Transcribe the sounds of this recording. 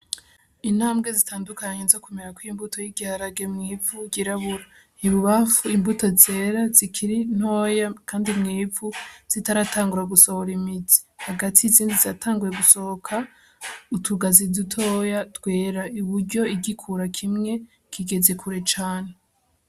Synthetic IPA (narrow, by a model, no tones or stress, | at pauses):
in̥haːmbɡe̞zitaːndukaɲenzo̞kumeɾakwimbutʰo̞jiɟihaɾaɡemŋiːvuɟiɾaβuɾa | iβuβafuimbuto̞ze̞ɾazikʰiɾin̥ho̞ːjakʰaːndimŋiːvuz̥itaɾataːŋɡuɾaɡuso̞hoɾimiti̥haɡatʰiziːndiziatʰaːŋɡuje̞ɡuso̞hokʰa | utʰuɡazidutʰo̞jatɡwe̞ːɾaiβuɾɟo̞iɟikʰuɾakʰimŋe̞ | kʰiɡe̞ze̞kʰuɾe̞t͡ʃaːne̞